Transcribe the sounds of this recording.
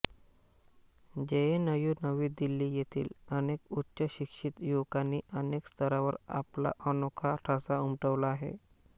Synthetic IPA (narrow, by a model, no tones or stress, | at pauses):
d͡ʑeenəjuːnəʋiːd̪ilːiːjet̪ʰḭːlənekutːɕəɕikʂit̪jokanːiːʔənekst̪ʰəɾaʋəɾa̰pla̰ʔənokʰaʈʰasaumʈəʋlaːɦḛ